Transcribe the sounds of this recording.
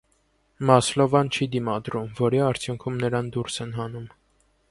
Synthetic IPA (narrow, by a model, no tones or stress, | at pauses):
mɑslɔvɑnt͡ʃʰid̪imɑd̪ɾumvɔɾiɑɾt͡sʰjuŋkʰumnəɾɑnd̪uɾsɛnɦɑnum